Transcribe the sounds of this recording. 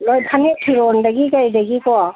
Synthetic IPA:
lɔjpʰanepʰiɾɔndaɡikajdaɡikɔa

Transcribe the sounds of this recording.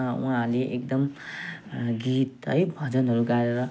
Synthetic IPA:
ṵɦãleʔekd̪ʌm | ɡit̪ʌ̰jbʱʌd͡zʌnɦʌɾuɡaɾeɾʌ

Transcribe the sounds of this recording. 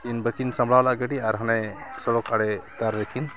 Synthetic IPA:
kinbəkinsamblalaʔɡəɖiaɾɦanajsɔɽɔkaɽɛkaɾːɛkʰin

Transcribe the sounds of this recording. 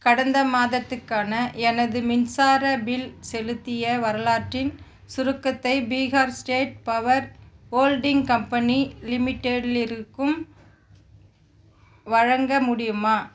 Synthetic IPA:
kɐɽɐnd̪ɐmaːðɐt̪ːɯkːaːnɐɛnɐðɯmɪnsaːɾɐbɪlsɛlɯt̪ːɪjɐʋɐɾɐlaːʈrɪn | sʊɾɯkːɐt̪ːɐɪbiːɣaːɾsʈeːʈ̚pɐʋɐɾoːlɖɪŋkɐmpɐnilɪmɪʈːeɽɪlɪɾɯkːɯm | ʋɐɻɐŋɡɐmʊɽɪjɯmaː

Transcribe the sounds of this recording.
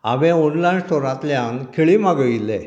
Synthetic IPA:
a̰ʋẽɔnlajnsʈoɾãt̪ljãnkʰeɭimaɡəilːḛ

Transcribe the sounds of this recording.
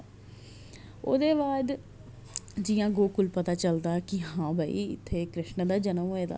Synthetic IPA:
o̰ːd̪eːbaːd̪ | d͡ʒɪjãːɡoːkʊlpət̪aːt͡ʃəld̪aːkɪɦãːbʱaːḭːɪ̰t̪ʰːeːkɾɪʃnd̪aːd͡ʒənəmeːd̪a̰ː

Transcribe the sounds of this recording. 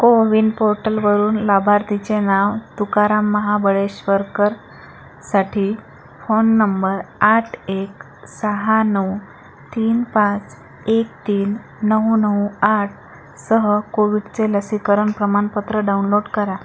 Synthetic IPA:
koʋiɳɖpoɾʈəlʋəɾuːnlabʱaɾt̪it͡ɕenaʋt̪ukaɾamːəɦabəɭeɕʋəɾkəɾ | saʈʰiː | fonːəmbəɾaʈʰek | səɦanəw | t̪iːnpãt͡s | ek̚t̪iːnː | əɦnəuaʈ̚ʰ | səɦəkoʋiɽt͡seləsikəɾəɳpɾəmanpət̪ɾəɖaunloɽkəɾa

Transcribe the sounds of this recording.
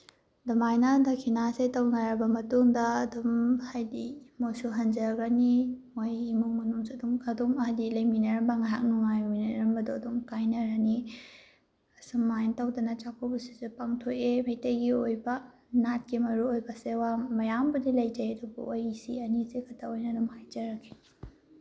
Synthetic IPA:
dɐmajnɐdɐkʰinasejtɐwnɐɾɐbɐmɐtuŋdɐːdumhajdimojsuɦɐnd͡ʒɐɡɐnimojimuŋmɐnuŋsuɐdumɐdumɐɦjdilɐjminɐɾɐmbɐŋajɦa̰k̚nuŋajminɐɾɐmbɐdoɐdumkajnɐɾɐni | ɐsɐmːantawdɐnɐt͡ʃakʰobusi̥supaŋtʰojemɐjtɐjɡiojbɐ | nat̚kimɐɾuojbɐsewamɐjambɐdilɐjd͡ʒajdubɐ̰ʔojisḭɐnizekʰɐtʰaojnɐdumhajd͡ʒɐɾɐkʰi̥

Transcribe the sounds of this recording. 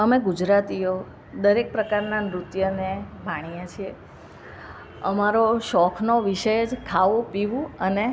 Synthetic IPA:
əmeɡud͡ʒɾat̪io | d̪əɾek̚pɾəkaɾnanɾut̪jənebʱaɽ̃ijãt͡ʃʰie | əmaɾoʃɔkʰnoʋiʃəjed͡ʒkʰaʋõpiʋũəne

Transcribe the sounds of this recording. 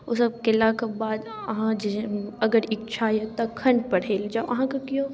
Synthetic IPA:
osɐb̚kelaːkabaːd̪ | ɐɦãd͡ʒeɐɡəɾɪk̚t͡ʃʰaːjot̪ɐkʰːɐ̃ɳɖ̚pɐɽ̤eːld͡ʒaoɐɦãkɐkijoː

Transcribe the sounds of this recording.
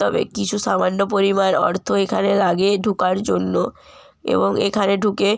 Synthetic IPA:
t̪ɔbḛkit͡ɕʰuʃamanːop̬oɾimanɔ̰ɾt̪ʰoekʰanelaɡeɖʱukaɾd͡ʑonːo | ḛboŋḛkʰaneɖʱuke

